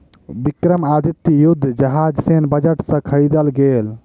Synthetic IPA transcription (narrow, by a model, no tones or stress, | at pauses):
bikɾəmaːd̪ʱɪt̪jʊd̪ʱːd͡ʒɐɦaːd͡ʒseːnbɐd͡ʒəʈsãkʰɐɾid̪əlɡeːl